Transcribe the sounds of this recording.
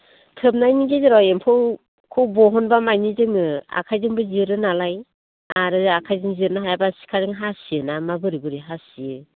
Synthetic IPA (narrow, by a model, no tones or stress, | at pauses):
tʰɯp̚najniɡeziɾɔempʰɯw | kʰɯwbɔɦɔnbamajnizɯŋɯa̰kʰajzɯŋbɯziɾɯnalaj | aɾɯakʰajzɯŋziɾnaɦajabasi̥kʰaɾɯŋɦasiɯnamabɯɾibɯɾiɦasiɯ